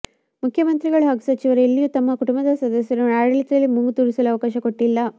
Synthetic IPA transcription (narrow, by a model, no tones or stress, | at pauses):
mukʰjɐmɐnt̪ɾiɡɐɭuɦaːɡusɐt͡ʃiʋɐɾeelːijut̪ɐmːɐkuʈumbɐd̪ɐsɐd̪ɐsjɐɾunaːɽɐlit̪ɾɐlːimuŋɡut̪uːɾisɐluɐʋɐkaːʃɐko̞ʈːilːɐ